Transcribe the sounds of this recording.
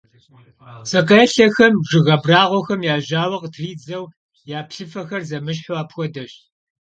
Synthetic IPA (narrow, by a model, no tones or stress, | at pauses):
sɐqɐɛɬɐxɐmʒɪɣɐbraːʁʷɔxɐmjaːʑaːwɐqtʰriːd͡zɐw | jaːpɬɨfɐxɐrzɐmɨɕ̬ħʊaːpxʷɔdɐɕ